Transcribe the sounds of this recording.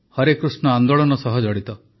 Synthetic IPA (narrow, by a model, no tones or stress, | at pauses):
hɔɾekɾusnɔand̪oɭɔnɔsɔɦɔd͡ʒɔɽit̪ɔ